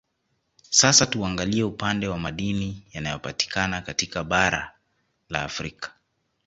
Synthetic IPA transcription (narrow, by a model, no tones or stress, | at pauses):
sasatuaŋɡaliɛupandɛwamaɗinijanajɔpati̥kanakatikaɓaɾa̰ | la̰ːfɾikḁ